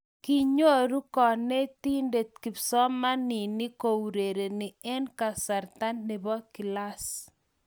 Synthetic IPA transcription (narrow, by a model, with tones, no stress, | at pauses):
ki˦ɲo˦ɾu˦kɔ˨ne˦t̪i˦nde˨t̪̚ki˨psɔ˦ma˦ni˨ni˦ko˨wɾe˨ɾe˨ni˨ɛ˦nka˨sa˨ɾt̪a˦nːɪ˨bɔ˦ki˨la˦s